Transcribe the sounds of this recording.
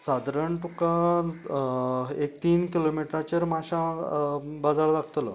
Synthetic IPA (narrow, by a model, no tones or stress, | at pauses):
sad̪ʱɾəɳt̪uka | ekt̪iːnkilomiʈɾat͡ɕeɾmaɕã | bad͡zaɽd̪aɡʰt̪lə̰